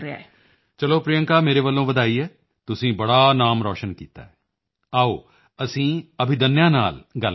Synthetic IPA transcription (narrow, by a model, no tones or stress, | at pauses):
a̰ | t͡ʃəloːpɾɪjə̃ŋkaːmeːɾeːʋəlːõːʋəd̪aːiːɛː | t̪ʊsĩːbəɽaːnaːmɾɔːʃənkḭːt̪a̰ːɛː | aːoː | əsĩːəbʱɪd̪ənːjãːnaːlɡəl